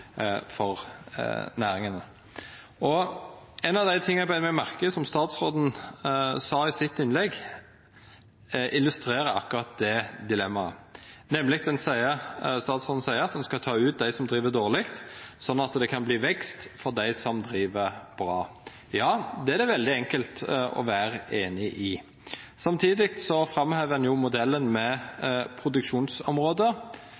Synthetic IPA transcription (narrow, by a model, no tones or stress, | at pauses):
fɔʁ̰ | næːɾɪŋənə | ɔ | ɛnɑʋd̪æɪt̪ʰɪŋːæɪbæɪnmæɪmæʁkəsɔmst̪ɑːt̪sʁoːd̪n̩ | sɑːɪsɪt̪ːɪnlɛɡ | ʔɪlʉst̪ɾeːɾəɑ̰kːʊɾɑt̪̚d̪ɛd̪ɪlɛmːɑə̰nɛmːlɪk̚d̪ɛnsæɪəst̪ɑːt̪sɔnn̩sæɪəɾɑt̪̚d̪ɛnskɑt̪ʰɑːʉːt̪̚d̪æɪsɔmd̪ɾiːʋəd̪oːʁlɪkt̪sɔnːɑt̪d̪ɛkʰɑnbliːʋɛkst̪fɔʁd̪æɪsɔmd̪ɾiːʋəb̥ɾɑː | jɑːd̪ɛæd̪ɛʋɛld̪ɪɛŋkəlt̪ɔ̰ʋæːɾəeːnɪʔɪ | sɑmt̪ʰiːd̪ɪkt̪sɔfɾɑmheːʋəɛnjʊmʊd̪ɛlːənmɛpʰɾʊd̪ʉkʃuːnsɔmʁoːd̪ə